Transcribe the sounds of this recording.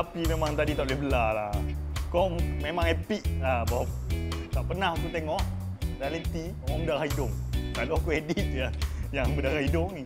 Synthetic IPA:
apimemãŋt̪adit̪aʔlebəlalahkɔmmemãŋɛpik̚labawat̪aʔpənahk̪ut̪eŋɔʔ | ralit̪i | aŋbədaɾahidʊŋkaloakuedit̪̚jajaŋbədaɾahidʊŋni

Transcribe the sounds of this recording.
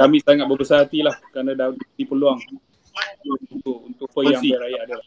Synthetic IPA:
kamɪʔsaŋat̪̚bəbəsaɾɦat̪ilahkɾanãdadiipəluaŋ | aununt̪ʊʔunt̪ʊʔpəjjaŋaɾajaʔadala

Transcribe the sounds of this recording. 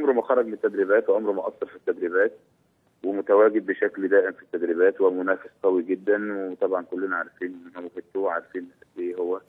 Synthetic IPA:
ʔɑmɾomæxɑɾˤɑɡmet̪ːæd̪ɾibæːt̪weʔɑmɾmæʔɑsˤːɑɾˤfit̪ːæd̪ɾibæːt̪̚ | wemot̪æwæːɡed̪̚ːeʃækld̪æːʔemfi̥t̪ːæd̪ɾiβæːt̪wemʊnæːfesqæwiɡed̪ːænwet̪ˤɑbʕɑnkolːenæʕaɾˤfiːnæwhet̪ːuːʕɑ̰ɾˤfiːnæʔeːhowːæ

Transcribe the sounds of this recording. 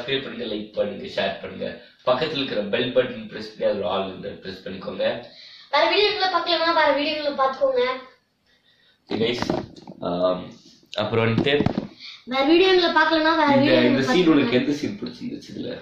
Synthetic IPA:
feːɾpɐɳːɯŋɡɐlɐɪk̚pːɐniːŋɡɐʃeːɾpɐɳːɯŋɡɐ̰ | pɐkːɐt̪ːɪlɪɾkːɪɾɐbɛlbɐɖɪnpɾɛsɐnɪjaːðɾa̰ːlɾɯnd̪ɯpɪɾɛspɐɳːɪkːoːŋɡɐʋɛːlɐʋiːɽɪjoŋɡɐlɐpaːklɐnaːʋɛɾɐʋiːɽɪjɐŋɡɐɭɯ̃paːɾt̪ɯkːoːŋɡɐ | inɐɪs | m | ɐpːɯɾõɐnt̪eːʋɛːɾɐʋiːɽɪjoŋɡɐlɐpaːɾkɐlɐ̃naːʋɛːɾɐʋiːɪnd̪ɐsiːnʊɭɐkːɛnd̪ɐsiːnpʊɽɪt͡ʃːɯŋɡʋɐt͡ʃːɯðɪ̰lːɐ̰

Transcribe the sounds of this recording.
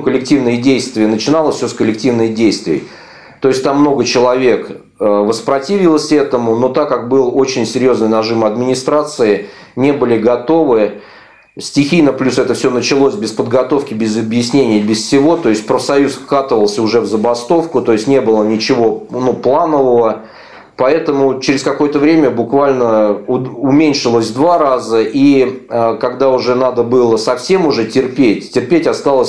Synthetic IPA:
kəlʲɪk̚tʲivnɨjədʲejst̪vʲɪjənət͡ɕɪnalˠəfʲsʲoskəlʲːɪk̚tʲivnəjdʲejst̪vʲɪjə̰j | t̪oɪsʲtʲt̪amːno̞ɡət͡ɕɪlˠɐvʲe̞k | əvəspɾɐtʲivʲɪlˠəsʲɛt̪əmʊno̞t̪akːak̚bɨlˠo̞t͡ɕɪnʲsʲɪɾʲjo̞znɨjnɐʐɨmɐd̪mʲɪnʲɪst̪ɾat̪sɨɪnʲe̞bɨlʲɪɡɐt̪o̞vɨ | sʲtʲɪxʲijnəplʲusɛt̪əfsʲonət͡ɕɪlˠo̞sʲbʲɪspəd̪ɡɐt̪o̞fkʲɪbʲɪzɐbjɪsʲnʲenʲɪjəbʲɪssʲɪvo̞t̪o̞ɪsʲt̚ʲpɾəfsɐjusfkat̪əvəlˠsʲəʊʐɛvzəbɐst̪o̞fkʊt̪o̞ɪsʲtʲnʲebɨlˠənʲɪt͡ɕɪvo̞nuplˠanəvəvə | pɐɛt̪əmʊt͡ɕɪɾʲɪskɐko̞jət̪əvɾʲemʲəbʊkvalʲnə | ʊmʲenʲʂɨlˠəsʲd̪varazəʔi | kɐɡd̪aʊʐɛnad̪əbɨlˠəsɐfsʲe̞mʊʐɛtʲɪrpʲetʲtʲɪrpʲetʲɐst̪alˠəsʲ

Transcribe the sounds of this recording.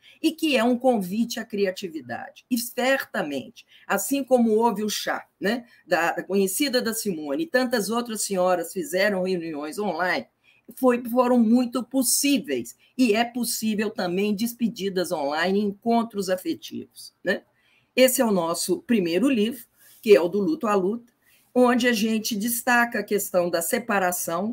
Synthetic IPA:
ɪkɪɛũkõvit͡ʃɪakɾiat͡ʃivid̪a̰d͡ʒɪɪsɛɾt̪ɐmḛ̃nt͡ʃɪ̥ | asĩkõmʊovɪʊʃa̰nɛ | d̪ɐd̪ɐkõɲesid̪ɐd̪ɐsimõnɪt̪ɐ̃nt̪ɐzowt̪ɾɐsẽɲɔɾɐsfizɛɾɐ̃w̃heuniõj̃zõlãjnɪ | fojfoɾɐ̃w̃mũj̃t̪ʊposivejs | ɪɛposivewt̪ɐ̃mbẽj̃d͡ʒɪspid͡ʒid̪ɐzõlãj̃nɪ̃ĩkõnt̪ɾʊzafet͡ʃḭvʊsnɛ | esɪɛʊnɔsʊpɾimejɾʊlivɾʊ | kɪɛʊd̪ʊlut̪ʊalut̪ɐ̥ | õd͡ʒɪaʒẽnt͡ʃɪd͡ʒɪst̪akɐːkest̪ɐ̃w̃d̪ɐsepaɾasɐ̃w̃

